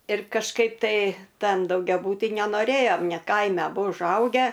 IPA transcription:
ɪr kɐʃˈkɐɪp tɐɪ ˈtɐn dɐʊɡʲɛˈbuːtʲiː nʲɛnoːˈrʲeːjoːm nʲɛ ˈkɐɪmʲɛ ɐˈbʊ ʊʒˈɐʊɡʲæː

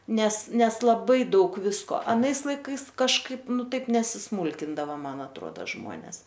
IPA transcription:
ˈnʲɛs ˈnʲɛs lˠɐˈbɐɪ ˈdɐʊk ˈʋʲɪskoː ɐˈnɐɪs lˠɐɪˈkɐɪs kɐʃˈkɐɪp ˈnʊ ˈtɐɪp nʲɛsʲɪsˈmuːlʲkʲɪndɐʋɐ ˈmɐn ɐtˈruɔdɐ ˈʒmuɔnʲɛs

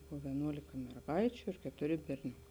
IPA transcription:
ˈbʊʋoː ʋʲiɛˈnuɔlʲɪkɐ mʲɛrˈɡɐɪt͡ʃʲʊ ɪr kʲɛtʊˈrʲɪ bʲɛrʲˈnʲʊkɐ

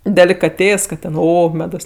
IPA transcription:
dʲɛlʲɪkɐˈtʲeːs ˈkɐt ˈtʲɛn ˈoː ˈmʲæːdoːs

